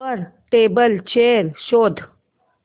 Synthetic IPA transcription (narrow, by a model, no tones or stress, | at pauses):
əɾʈeːbəlt͡ɕeɾɕoːd̪ʱ